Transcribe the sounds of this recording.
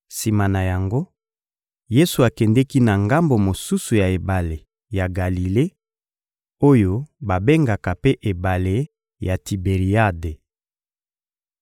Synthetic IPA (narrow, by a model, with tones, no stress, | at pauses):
si˨ma˨na˨ja˨ŋɡo˦ | je˦su˨a˨kɛ˨ndɛ˦ki˦na˨ŋɡa˦mbo˨mo˨su˦su˨ja˨e˨ba˨le˨ | ja˨ɡa˨li˨le˦ | o˦jo˦ba˨be˦ŋɡa˨ka˨pe˦ʔe˨ba˨le˦ | ja˨ti˨be˨ʁi˨a˦de˨